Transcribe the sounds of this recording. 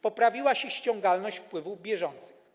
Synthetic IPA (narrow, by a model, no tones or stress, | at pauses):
pɔpɾavʲiwaɕɛɕt͡ɕɔ̃ŋɡalnɔɕt͡ɕfpwɘvuvbʲjɛʐɔnt̪sɘ̥x